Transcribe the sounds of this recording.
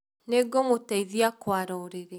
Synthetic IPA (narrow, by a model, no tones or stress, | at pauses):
neɡomotaiðiakwaɾɔɾeɾe